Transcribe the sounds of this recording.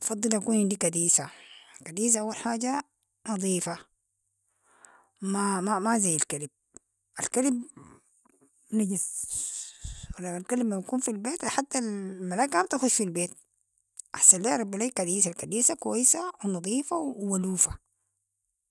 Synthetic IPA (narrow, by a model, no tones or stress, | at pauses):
ʔɑfɑd̪ˤːɨlʔakuːnɪnd̪ikad̪iːsakad̪iːs̬aʔawːalħaːɟa | nɑd̪ˤiːfa | mamamazajːalkalib̚ | ʔalkalib | naɟiz | walːalkalibmanakuːnfilbeːt̪ħat̪ːalmalaːkhamt̪axuʃfilbeːt̪̚ | ʔaħsanlaːɾˤɑbːilaikad̪iːs̬alkad̪iːsakwajsawnɑd̪ˤiːfawwaluːfa